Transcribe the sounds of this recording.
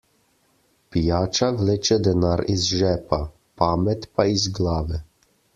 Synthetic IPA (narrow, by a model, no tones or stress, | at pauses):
pijaːt͡ʃaʋleːt͡ʃɛd̪ɛnaːɾizʒɛːpa | paːmɛt̪paizɡlaːʋɛ